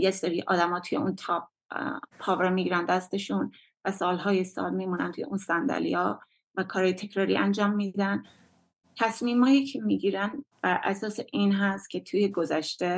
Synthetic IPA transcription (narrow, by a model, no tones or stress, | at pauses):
jecseɾiːʔɒːd̪æmɒːt̪ʰuje̞unt̪ʰɒb̚ | pʰɒːveɾmiːɟiːɾænd̪æst̪e̞ʃun | væsɒːlɦɒːjesɒ̰ːlmimunæ̰nt̪ʰujeunsænd̪æ̰lḭɒː | vækʰɒːɾɒːjet̪ʰe̞cʰɾɒːɾiːʔænd͡ʒɒːmːiːd̪æn | t̪ʰæsmiːmhɒːjicʰemiːɟiːɾænb̥æɾʔæ̰sɒːseʔinɦæst̪̚cʲʰe̞t̪ʰuːje̞ɡozæʃt̪e̞